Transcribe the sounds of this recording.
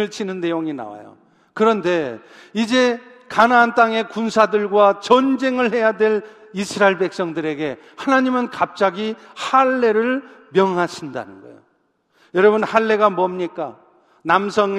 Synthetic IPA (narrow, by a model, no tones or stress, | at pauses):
ɯɭt͡ɕʰinɯnːe̞joŋina̰wa̰jo̰ | kɯɾʌnde̞ | id͡ʑe̞ | kanaːnt͈aŋe̞kunsʰadɯɭɡwat͡ɕʌnd͡ʑe̞ŋɯɭhe̞jadwe̞ɭ | isʰɯɾaiɭbe̞k̚s͈ʌŋdɯɾe̞ɡe̞ | hanaɲimɯnkap̚t͡ɕ͈aɡi | haɭːe̞ɾɯɭmjʌŋɦaɕʰinda̰nɯnɡʌḛjo | jʌɾʌβɯnhaɭːe̞ɡamʌmɲik͈a | namsʰʌŋ